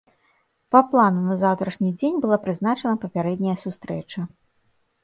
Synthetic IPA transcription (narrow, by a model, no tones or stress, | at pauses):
pɐplˠanunɐzawt̪ɾɐʂnʲid͡zʲenʲbɨlˠapɾɨznat͡ʂɐnɐpɐpʲaɾɛd̪̚ʲnʲɐjɐsust̪ɾɛt͡ʂɐ